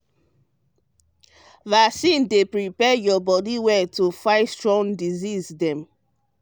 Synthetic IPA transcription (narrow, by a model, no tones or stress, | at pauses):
vasĩndepɹipɛjɔbɔdiwɛtufaɪtstɹɔ̃ŋdizizdɛ̃m